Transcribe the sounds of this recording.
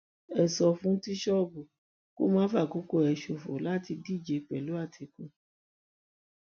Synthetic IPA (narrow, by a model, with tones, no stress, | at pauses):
ɛ˨sɔ˧fũ˦ti˦ʃɔ˦˨bu˨ | ko̰˦mãː˦fa˦˨ko˨˦ko˦˨ɛ˨ʃo˨fo̰˨la˦ti˧di˦˨d͡ʒe˨˧k͡pɛ˨lu˨˦a˦˨tʰi˨˧kũ˦˨